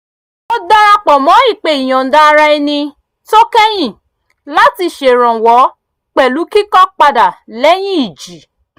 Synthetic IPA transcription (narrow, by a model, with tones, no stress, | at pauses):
o˦da˦ɾa˧k͡pɔ˨mɔ̃˨˦i˦˨k͡pe˧˨i˨j̃ɔ̃˨n̩˨da˦˧ɾa˧i˧nĩ˧ | to˦kɛ˦j̃ĩ˦˨ | la˨˦ti˧ʃe˨ɾ̃ɔ̃˨wɔ˨˦ | k͡pɛ˨lu˨˦ki˦kɔ˦k͡pa˧da˨lɛ˦j̃ĩ˦i˨d͡ʒi˨˦